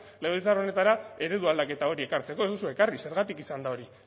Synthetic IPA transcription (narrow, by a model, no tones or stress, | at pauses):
leɣit͡saro̞ne̞t̪aɾae̞ɾe̞ðuald̪ake̞t̪ao̞ɾie̞kaɾt͡se̞koezd̪usue̞karise̞ɾɣat̪ikisand̪ao̞ɾi